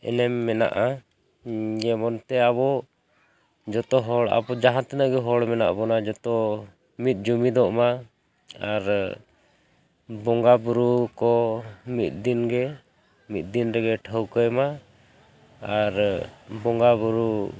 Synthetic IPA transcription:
ɛ̰nɛmːɛna̰ʔa | jɛmɔnt̪ɛaβɔ | d͡ʒɔt̪ɔɦɔɽa̰bɔd͡ʒaɦãt̪ɛnəɡɛɦɔɽmɛna̰ʔbɔnad͡ʒɔt̪ɔ | mit̪̚ˀd͡ʒumid̪ɔʔma | aɾ | bɔŋɡabuɾukɔmit̪̚d̪inɡɛ | mit̪̚d̪inɾɛɡɛʈʰəwkəjma | aɾbɔŋɡabuɾu

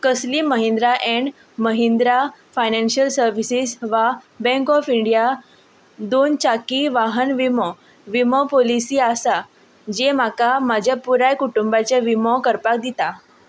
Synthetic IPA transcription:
kəsliːməɦĩnd̪ɾaʔɛ̃ɳɖ | məɦind̪ɾafajnenɕəlsəɾʋisisʋa | bɛ̃ŋkɔfiɳɖija | d̪ont͡ɕakiʋaɦənʋimɔ | ʋimɔpolisiːasa | d͡ʑemakamad͡ʑʱjapuɾajkuʈumbat͡ɕaʋimɔkəɾpak̚d̪it̪a

